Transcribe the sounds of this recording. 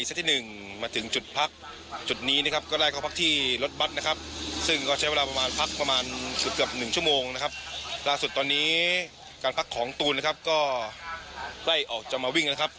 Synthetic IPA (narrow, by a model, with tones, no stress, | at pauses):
st̪ːʰiː˥˨˩nɯ˨˩ŋ | maː˧t̪ʰɯ˩˦ŋt͡ɕu˨˩t̪̚pʰa˦˥k̚ | t͡ɕu˨˩t̪̚niː˦˥na˦˥kʰa˦˥p̚kɔː˥˩ɾaː˥˩jkʰɔː˥˩pʰa˦˥k̚t̪ʰiː˥˩lo˦˥t̪̚wa˦˥t̪̚na˦˥kʰa˦˥p̚sɯ˥˩ŋkɔː˥˩t͡ɕʰa˦˥jwe˧laː˧pɾa˧maː˧npʰa˦˥k̚pɾa˧maː˧nst̪̚kɯ˨˩əp̚nɯ˨˩ŋt͡ɕʰu˥˩əmoː˧ŋna˦˥kʰa˦˥p̚laː˥˩su˨˩t̪ːɔː˧nːiː˦˥ | kaː˧npʰa˦˥kʰːɔː˩˦ŋt̪uː˧na˥kʰa˦˥p̚kɔː˥˩ | kla˥˩jʔɔː˨˩k̚t͡ɕa˨˩k̚maː˧wi˥˩ŋna˦˥kʰa˦˥p̚